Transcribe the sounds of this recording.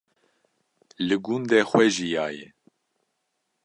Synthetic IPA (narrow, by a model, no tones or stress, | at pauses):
lɨɡund̪ɛxʷwɛʒijɑːjɛ